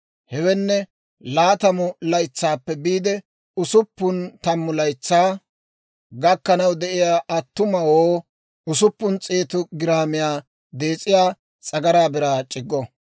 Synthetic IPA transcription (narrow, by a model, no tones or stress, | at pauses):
hɛwɛnːɛ | laːt̪ɐmʊlɐjt͡sːaːpːɛbiːd̪ɛ | ʊsʊpːʊnt̪ɐmːʊlɐjt͡sːaː | ɡɐkːɐnɐwd̪ɛʔɪjaːʔɐt̪ːʊmɐwoː | ʊsʊpːʊnt͡sʼeːt̪ʊɡɪɾaːmɪjaː | d̪eːt͡sʼɪjaː | t͡sʼɐɡɐɾaːbɪɾaːt͡ʃʼɪɡːɔ